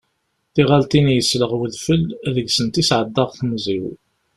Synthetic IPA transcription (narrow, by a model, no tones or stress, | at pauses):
θiʁalt̪inijəsləʁwəðfəlðəɡsənt̪isʕəd̪ːɑʁθmziw